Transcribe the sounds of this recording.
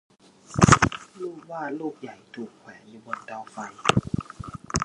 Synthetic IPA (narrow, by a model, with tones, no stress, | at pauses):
luː˧˩˨waː˧˩˨loː˧˥˩k̚ja˨˩jt̪ʰuː˨˩kʰːwɛː˨˦ŋjuː˧˩bo˧˨nt̪a˧˩˨wfa˧˩ŋ